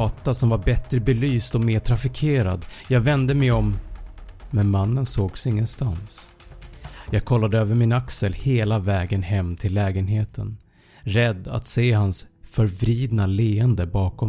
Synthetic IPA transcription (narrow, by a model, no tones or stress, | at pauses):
t̪asɔmvaɾbɛt̪ɾəbɛlyːst̪ɔmeːʈʰɾafɪkʰeːɾa̰d̪jɑːɡvɛnd̪əmɛjɔm | mɛnmanːənsoːɡsɪŋːənst̪ans | jɑːɡ̚kʰɔlːad̪əøːvəɾmɪnaksəlheːlavɛːɡənhɛmːt̪ʰɪlːɛːɡənɦeːt̪ʰən | ɾɛd̪ːa̰t̪seːɦansfœɾvɾiːd̪naleːənd̪əbɑːkɔ